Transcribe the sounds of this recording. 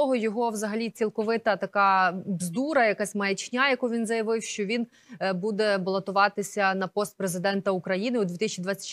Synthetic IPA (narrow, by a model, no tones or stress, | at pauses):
ɔɦɔjɔɦɔʋzɐɦɐlʲit͡sʲilˠkɔʋɪt̪ɐt̪ɐkɑbzd̪uɾɐjɐkasʲmɐjɐt͡ʃnʲajɐkuʋʲinzɐjɐʋɪwʃt͡ʃɔʋʲin | bud̪ɛbɐlˠɔt̪ʊʋɑt̪ɪsʲɐnɐpɔst̪̚pɾezɪd̪ɛnt̪ɐukɾɐjinɪɔd̪ʋʲit̪ɪsʲt͡ʃid̪ʋat͡sʲɐ̥